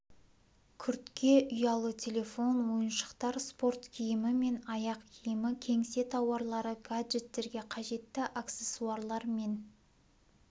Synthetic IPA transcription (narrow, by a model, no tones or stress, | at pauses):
kʲʰʏɾt̪kʲe̞ʔʏjɑlˠət̪ʲʰe̞lʲe̞fo̞nwo̞jənʃə̥qt̪ɑɾspo̞rt̪kʲʰijɪmɪme̞nɑjɑqkʲʰijɪmɪkʲʰe̞ŋse̞t̪ʰɑwɑɾlˠɑɾəɡadʒet̪ːe̞ɾɡʲe̞qʰɑʒe̞t̪ːɪʔakt̪se̞suaɾlˠɑɾme̞n